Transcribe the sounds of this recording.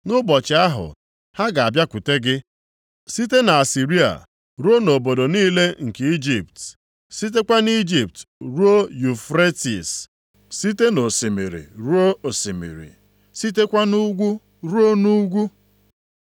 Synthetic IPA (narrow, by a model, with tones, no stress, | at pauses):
nʊ˦bɔ˨t͡ʃɪ˨a˦ɦʊ̰˨ | ha˦ɡa˨a˨bja˦kʷu˨te˦ɡɪ˦ | si˦te˦na˨a˨si˨ɾi˦a̰˨ | ɾu˦o˦no˨bo˨do˨niː˦le˦ŋ̩˨ke˨i˦d͡ʒi˨p̚t | si˦t̬e˦kʷa˦ni˦d͡ʒi˨p̚tɾu˦o˦ju˨fɾe˦tḭ˨s | si˦te˦no˨si˨mḭ˨ɾḭ˨ɾu˦o˦o˨si˨mḭ˨ɾḭ˨ | si˦t̬e˦kʷa˦nu˦ɡʷu˦ | ɾu˦o˦nu˦ɡʷu˦